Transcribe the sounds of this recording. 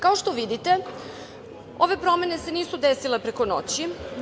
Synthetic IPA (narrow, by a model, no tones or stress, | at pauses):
kaoʃt̪o̞ʋid̪it̪e̞ | o̞ʋe̞pɾo̞me̞nese̞niːsud̪esilepɾeko̞no̰t͡ɕi